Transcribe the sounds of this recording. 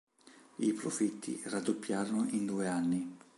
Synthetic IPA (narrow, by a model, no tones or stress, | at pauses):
ipɾofit̪ːḭrad̪ːopːjaːɾonoʔind̪uːeanːi